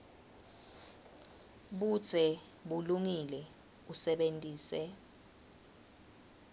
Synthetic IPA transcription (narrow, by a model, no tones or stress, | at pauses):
ɓud̥t͡sʰʼɛɓuluŋilɛ | usɛɓentʼiːsɛ